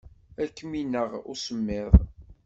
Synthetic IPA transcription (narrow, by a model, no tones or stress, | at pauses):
ækːminːəʁʊ̰ɾsəmːɪðˤ